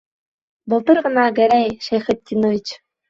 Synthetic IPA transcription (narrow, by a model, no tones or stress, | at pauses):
bɤ̆lˠt̪ɤ̆rʁɤ̆nɑɡæ̆ɾæjʃejχʲɘ̆t̪ʲːinoʋʲit͡ɕ